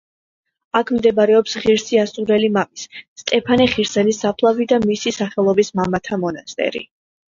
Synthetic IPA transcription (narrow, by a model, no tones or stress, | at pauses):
akʰmd̪ɛbaɾɛɔpsʁiɾsiasuɾɛlimamissːt̪ʼɛpʰanɛχiɾsɛnisapʰlˠavid̪amisisaχɛlˠɔbismamat̪ʰamɔnast̪ʼɛ̰ɾḭ